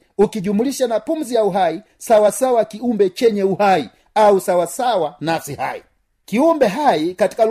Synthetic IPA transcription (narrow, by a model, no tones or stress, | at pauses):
ukiʄumuliʃanapum̩zijauɦai | sawasawakiumbɛt͡ʃɛɲɛuhai | ausawasawanasiha̰ḭ | kiumbɛɦaikati̥kal